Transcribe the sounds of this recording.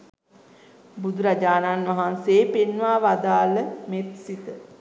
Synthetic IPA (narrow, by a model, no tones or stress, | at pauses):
bud̪uɾad͡ʒaːnanʋaɦanseːpenʋaːʋad̪aːləmet̪sit̪ə